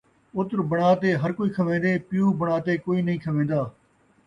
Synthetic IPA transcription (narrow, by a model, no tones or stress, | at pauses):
ʊt̪ɾbəɽ̃aːt̪eːɦəɾkoːiːkʰəʋẽːd̪eːpɪjuːbəɽ̃aːt̪eːkoːiːnəɦĩːkʰəʋẽːnd̪aː